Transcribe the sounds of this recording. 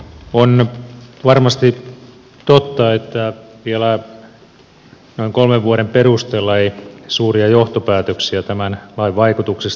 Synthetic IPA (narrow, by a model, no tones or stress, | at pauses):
onʋɑrmɑst̪i | t̪ot̪ːɑet̪ːæʋielæ | noiŋkolmeʋʋuoɾemperust̪eːlːɑeisuːriɑjoht̪opæːt̪øksiæt̪æmænlɑiʋʋɑikut̪uksis